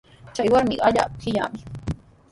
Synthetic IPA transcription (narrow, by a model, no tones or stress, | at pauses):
t͡ʃajwaɾmɪɢaʎa̰ːpkɪʎa̰ːmɪ